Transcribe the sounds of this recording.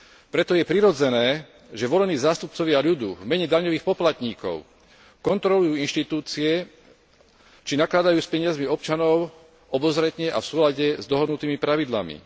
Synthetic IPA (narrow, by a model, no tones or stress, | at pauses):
pɾɛt̪ɔjɛpɾiɾɔd͡zɛnɛː | ʒɛʋɔlɛniːzaːst̪up̚t͡sɔʋɪaʎud̪ṵːvmɛɲɛd̪aɲɔʋiːxpɔplat̪ɲiːkɔ̰ʊ | kɔnt̪ɾɔlujuːinʃt̪it̪uːt͡siɛ | t͡ʃinaklad̪ajuːspɛɲɪazmiɔp̚t͡ʃanɔʊ | ɔbɔzɾɛt̪ɲɛʔa̰fsuːlaɟɛzd̪ɔɦɔd̪nut̪iːmipɾaʋid̪la̰mḭ